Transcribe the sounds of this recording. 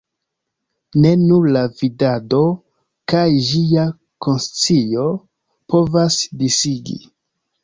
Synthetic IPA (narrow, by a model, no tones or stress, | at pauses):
ne̞nuɾlavidado̞ | kajʒia | ko̞nst͡sijo̞ | po̞vasdisiɡḭ